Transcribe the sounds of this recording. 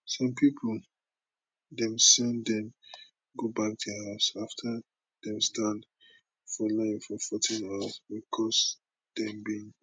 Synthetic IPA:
sɔ̃mpʰipʰl | dɛ̃msɛndɛ̃m | ɡobak̚tʰuhaʊsaftʰə | d̥ɛ̃mstãnd | fɔloĩŋfɔfɔtʰĩnawaswikʰɔs | d̥ɛ̃mbĩŋ

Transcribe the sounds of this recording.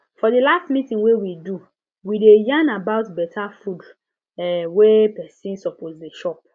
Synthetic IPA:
fɔdilastmitĩŋwewidu | widejãnabaʊtbɛtʰafud | ɛwɛpɛsĩnsɔpʰozdeʃɔp̚

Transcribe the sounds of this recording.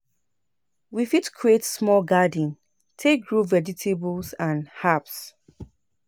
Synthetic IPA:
wifitkʰɹietsmɔlɡadə̃n | tʰek̚ɡɹuvɛd͡ʒitʰebəlsãnhaps

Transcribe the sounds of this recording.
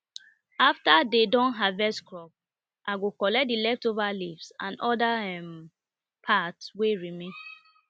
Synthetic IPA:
aftadedɔ̃nɦavɛskɹɔp̚ | ʔaɡokɔlɛk̚dilɛftovalifsã̰nʔɔdaɛm | pʰatsweɹimẽn

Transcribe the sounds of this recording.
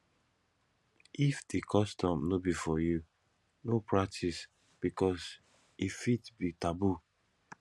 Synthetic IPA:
ʔifdikʰɔstʰɔ̃mnobifɔju | nopʰɹak̚tʰis | b̥ikɔs | ifitbitabu

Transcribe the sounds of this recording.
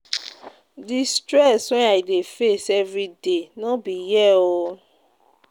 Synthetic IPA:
distɾɛsɔ̃aidefesɛvɾidenɔ̃bijɛo

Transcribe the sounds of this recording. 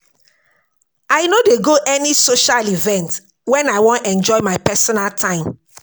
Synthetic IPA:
aɪnodeɡoʔɛnisoʃalivɛ̃nt | wɛ̃naɪwɔ̃ntɛ̃nd͡ʒɔɪmaɪpɛsɔnaltʰãɪ̃m

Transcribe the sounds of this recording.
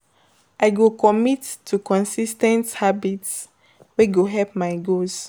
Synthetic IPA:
ʔaɪɡokɔmitʰːukɔ̃nsistɛ̃nthabits | weɡoɦɛp̚maɪɡoz

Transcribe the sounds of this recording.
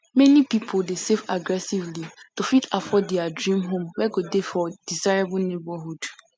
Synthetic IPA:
mɛ̃nĩpipʰoldesevaɡɹɛsivlitofitafɔdɛadɹĩmɦõmwɛɡodefɔd̥izaɹebʊlnebɔɦud̥

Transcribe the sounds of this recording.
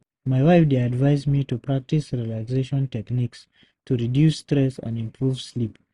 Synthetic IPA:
maɪwaɪfdeadvaɪzmitupɹak̚tisɹiəlakzeʃɔ̃ntɛkniks | tʰuɹidjusːtɹɛsə̰̃nĩmpʰɹuv̥slip

